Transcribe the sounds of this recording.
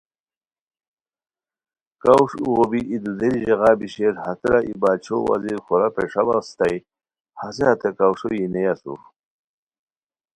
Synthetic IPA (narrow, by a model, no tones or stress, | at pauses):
kawʂuɣobiʔid̪ud̪eɾiʑeɣaːbiɕeɾhɐt̪ɾaʔibaːt͡ɕʰo̰wa̰ziɾxoɾapeʂabast̪aj | haseɦat̪ekawʂojinejasṵ